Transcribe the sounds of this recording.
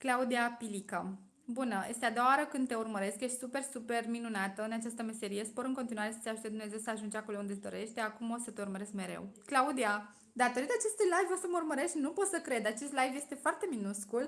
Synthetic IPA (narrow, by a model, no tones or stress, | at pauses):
klaud̪iapilika | bunəjest̪ead̪owaaɾəkɨnd̪t̪e̞urməɾe̞skjeʃt̪ʲsupe̞rsupe̞rminunat̪əɨnat͡ʃast̪əme̞se̞ɾije̞spoɾɨŋko̞nt̪inuaɾe̞sə̥t̪seaʒut̪ed̪umne̞ze̞wsəaʒund͡ʒakolound̪ezd̪o̞̰ɾe̞ʃt̪t̪eakumo̞sət̪eurməɾe̞skme̞ɾe̞̰wklaud̪ia | d̪at̪oɾit̪at͡ʃe̞st̪ujlajvosəməurməɾe̞st̪ʲnupo̞t̪səkɾe̞d̪at͡ʃe̞st̪lajvjest̪e̞foart̪e̞minuskul